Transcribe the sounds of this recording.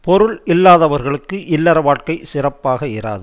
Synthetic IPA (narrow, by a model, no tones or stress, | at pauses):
pɔɾɯɭɪlːaːðɐʋɐɾɣɐɭɯkːɯʔɪlːɐɾɐʋaːʈkɐɪsɪrɐpːaːɣɐɪɾa̰ːðɯ